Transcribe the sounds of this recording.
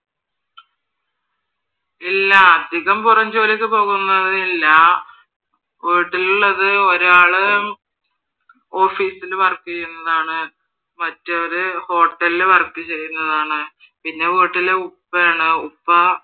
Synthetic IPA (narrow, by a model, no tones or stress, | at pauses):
ilːɐːd̪ʱiɣɐmpurɐɲd͡ʑoːlikːɨpo̞ːɣunːɐðɨilːɐ | ʋeːʈːiluɭːɐðɨo̞ɾaːɭɨ | o̞ːfiːsilʋɐrkːikːunːɐðaːɳɨ | mɐtːɨoɾuho̞ːʈːɐlilʋɐrkːit͡ɕe̞jːunːɐðaːɳɨ | pinːe̞ʋeːʈːileupːɐaːɳɨupːɐ